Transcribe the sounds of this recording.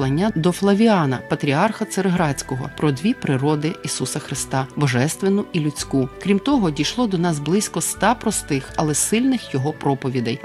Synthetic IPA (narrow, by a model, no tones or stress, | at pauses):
lˠɐnʲːad̪ɔflˠɐʋʲiɑnɐpɐt̪ɾʲiɑrxɐt̪seɾeɦɾɑt͡sʲkɔɦɔ̰pɾɔd̪ʲʋʲipɾɪɾɔd̪ɪisusɐxɾɪst̪ɑbɔʒɛst̪ʋenʊilʲʊt͡sʲkukɾʲimt̪ɔɦɔdʲijʃlˠɔd̪ɔnɑzblˠɪsʲkɔst̪ɑpɾɔst̪ɪxɐlˠɛsɪlʲnɪxjɔɦɔpɾɔpɔʋʲid̪ɛj